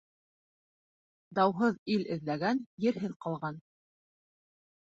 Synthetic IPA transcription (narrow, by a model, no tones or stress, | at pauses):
d̪ɑwɦɤðilɘ̆ðlæɡænjɘ̆ɾɦɘðqɑlˠʁɑn